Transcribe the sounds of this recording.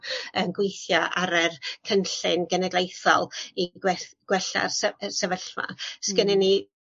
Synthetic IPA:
ənɡwɪjθjɔʔaɾɛrkʰənɬɪnɡɛnɛɡlˠejθɔ̰lˠiɡɛɡ̥wɛɬa̰rssɛvəɬma̰skənɪnːi

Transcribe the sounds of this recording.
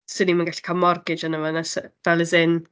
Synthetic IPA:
sɨnimanɡaɬkʰamɔrɡɪd͡ʒanəvɔnasvɛlˠəzɪn

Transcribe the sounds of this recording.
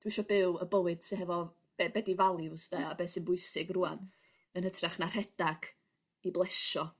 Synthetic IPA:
d̥wiʃɔbɪwəbəwɨd̥sɪnɦɛvɔ | b̥ɛbɛdivalˠjusdɛabeːsɪnbʊɨsɪɡrua̰n | ənhətʰraχnar̥ɛd̥aɡ̥ | iblˠɛʃɔ

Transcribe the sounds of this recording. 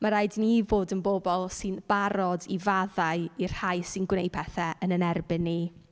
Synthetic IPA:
maɾaɨdnivoːdənbobɔlˠsɨnb̥aɾɔdivaðaɨir̥haɨsɨnɡwnej̚pʰɛθɛʔənənɛrbɪnːi

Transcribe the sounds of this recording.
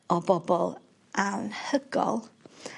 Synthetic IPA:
ɔbɔbɔlˠ | ʔanhəɡɔ̰lˠ

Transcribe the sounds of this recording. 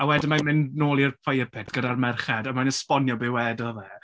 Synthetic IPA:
awɛdɪmajnmɪnnoːlˠirpʰajəpʰɛtʰɡ̥ədarmɛrχɛdamanəspɔnjɔbɪwɛdɔvɛ

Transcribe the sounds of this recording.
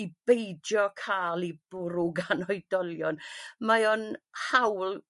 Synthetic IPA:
ib̥ejdjɔkʰaːlˠib̥ʊɾʊɡanɔjdɔlˠjɔnmajɔnhawl

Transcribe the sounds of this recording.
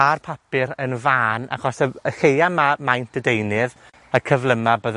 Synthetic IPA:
arpʰapɪɾənvaːna̰χɔsəəhejamamajntʰədejnɨð | əkʰəvlˠəmabəð

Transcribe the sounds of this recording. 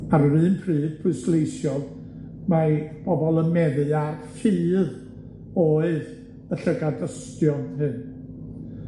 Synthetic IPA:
arrɨːnpʰrɨːd̥pʰʊɨslˠejsjɔð | mab̥ɔbɔlˠəmɛðɨarfɨːð | oːɨð | əɬəɡadəstjɔnhɨn

